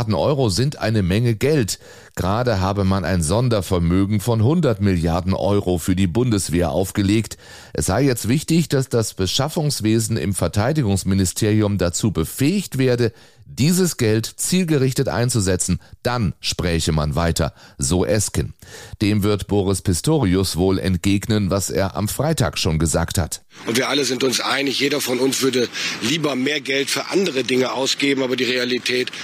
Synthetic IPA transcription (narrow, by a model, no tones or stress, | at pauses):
dn̩ʔɔ̰ʏʁozɪntʔa̰ɪnəmɛŋəɡɛlt | ɡ̥ʁaːdəɦaːbəmana̰ɪnzɔndɐfɛɐmøːɡŋ̩fɔnɦʊndɐtmɪljaɐdn̩ʔɔ̰ʏʁofyːɐdiːbʊndəsv̥eːɐʔa̰ʊfɡ̥əleːkt | ʔɛsz̥aɪjɛt͡stv̥ɪçtɪçd̥asd̥asb̥əʃafʊŋsv̥eːzn̩ɪ̰mfɛɐtʰaɪdɪɡʊŋsmɪnɪstʰeːʁiʊmdat͡suːbəfɛːɪçtv̥eːɐdə | d̥iːzəsɡ̥ɛltt͡siːlɡəʁɪçtətʔa̰ɪnt͡suzɛt͡sn̩d̥anʃpʁ̥ɛːçəma̰nvaɪtʰɐ̰zoːʔɛskənd̥eːmvɪɐtb̥oːʁɪspʰɪstʰoːʁiʊsv̥oːlɛ̰ntɡ̥eːɡnənvasʔḛːɐʔa̰mfʁ̥aɪta̰ːkʃoːnɡəza̰ːktha̰t | ʔʊntviːɐʔaləzɪntʊnsʔa̰ɪnɪçjeːdɐfɔnʊnsv̥ʏɐdəliːbɐmeːɐɡɛltfyːɐʔa̰ndəʁədɪŋəʔaʊsɡ̥eːbm̩aːbɐdiːʁealitʰɛːt